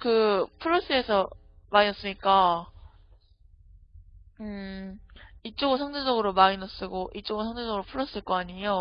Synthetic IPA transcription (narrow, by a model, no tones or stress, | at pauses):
kɯpʰuɾːʌs͈ɯesʰʌ | mainʌs͈ɯmɲik͈a | ɯ | it͡ɕ͈oɡɯsʰaŋded͡ʑʌɡɯɾomainʌs͈ɯɡoʔit͡ɕ͈oɡɯosʰaŋded͡ʑʌɡɯɾopʰuɾʌs͈ɯɭk͈ʌaɲijo